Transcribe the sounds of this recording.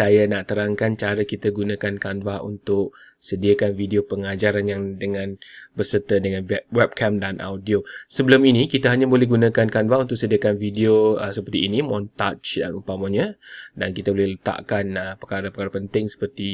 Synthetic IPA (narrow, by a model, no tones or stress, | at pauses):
sajanaʔt̪əɾaŋkant͡ʃaɾəkit̪aɡunãkankanbahṵnt̪ʊʔ̚sədiakanvidiopəŋad͡ʒaɾanjaŋdəŋãnbərsət̪ədəŋanɛwɛp̚kʰamdanʔa̰wdiosəbəlʊminikit̪əɦaɲabolɛhɡunãkankanvahunt̪ʊʔsədiakanvidioəsəpərt̪iːnimɔ̃nt̪at͡ʃda̰upamaɲədankit̪abolɛhlət̪a̰ʔkanəpəkaɾəpəkaɾəpənt̪ɪŋsə̥pərt̪i